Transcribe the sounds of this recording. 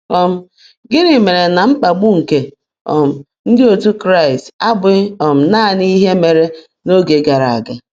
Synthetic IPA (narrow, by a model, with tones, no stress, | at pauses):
ɔ˦m̩˦ | ɡɪ˦ɾɪ˨me˨ɾe˨na˨ŋ͡m̩˦k͡pa˨ɡ͡bʊ˦ŋ̩˨ke˨ | ɔ̰˨m̩˨ | n̩˦dɪ˦o˨tu˦kɾa˦i˨sta˦bʊ˦ɔ˨m̩˨na˦˨ni˦ɦe˦me˨ɾe˦ | no˦ɡe˨ɡa˨ɾa˨a̰˨ɡa˨